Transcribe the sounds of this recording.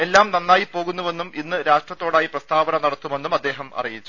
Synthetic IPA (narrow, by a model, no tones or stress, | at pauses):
e̞lːaːmnɐnːaːjipo̞ːɣunːuʋe̞nːuminːɨɾaːʂʈrɐt̪ːo̞ːɽaːjiprɐst̪ʰaːbɐɳɐmnɐɽɐt̪ːume̞nːumɐd̪ːe̞ːɦɐmɐ̰rijit͡ɕːu̥